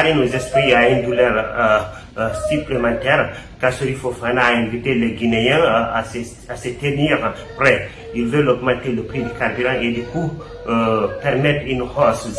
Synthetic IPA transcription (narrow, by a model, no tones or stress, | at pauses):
inozɛspɾiaind̪ulœɾ | syplemãnt̪ɛɾkasoɾifofanaːɛ̃vit̪eleɡinejɛ̃ase | aset̪eniʁ | pɾɛ | ilvølɔɡmãnt̪eləpɾid̪ikarbyɾãʔed̪iku | pɛɾmɛt̪ɾinhɔs